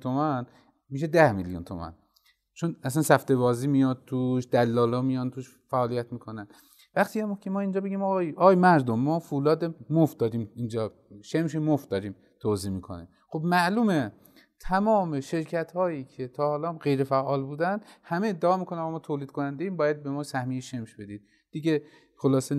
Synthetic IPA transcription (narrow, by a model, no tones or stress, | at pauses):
t̪ʰomæn | miːʃ̬ed̪æhmiljṵnt̪ʰo̰mæ̰n | t͡ʃʰonæsænsæft̪e̞βɒːziːmijɒd̪̚t̪ʰuʃd̪ælːɒːlːmijɒnt̪ʰuːʃ | fæʔːlijæt̪miːkʰonæn | væχt̪ʰiːæmokʲʰemɒːind͡ʒɒːbe̞ɟʲiːmɒɣjɒːɣːjmæɾd̪omːɒːfulɒːd̪emofd̪ɒːɾiːmind͡ʒɒː | ʃemʃ̬emofd̪ɒːɾiːm | t̪ʰoːziːmiːkʰo̞̰nḛ | xobmæʔluːme | t̪ʰæmɒːme̞ʃe̞ɾcʰæt̪hɒːjiːkʰe̞t̪ʰɒːhɒːlɒːɢe̞jɾe̞fæʔɒːlbuːd̪ænd̪hæmeːd̪ːeɒːmiːkʰo̞nænɣɑmɒːt̪ʰoːliːd̪̚kʰonænd̪eiːmbɒːjæd̪̚be̞mɒːsæhmijeʃe̞mʃbe̞d̪iːd̪̥̚ | d̪̥iɡe | xolɒːse